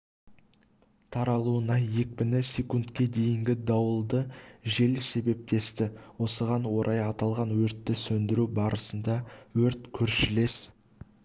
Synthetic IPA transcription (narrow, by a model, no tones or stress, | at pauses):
t̪ʰɑɾɑlˠuənɑje̞kʲpɪnɪsʲekunt̪kʲe̞d̪e̞jɪŋɡʲɪd̪ɑwəlˠd̪əʒe̞lse̞be̞p̚t̪e̞st̪ɪwo̞səʁɑnwo̞ɾʔɑjɑt̪ɑlˠʁɑnwɵɾt̪ːɪsɵnd̪ɪɾubɑɾəsənd̪ɑwɵɾt̪kʲʰɵɾʃɪle̞s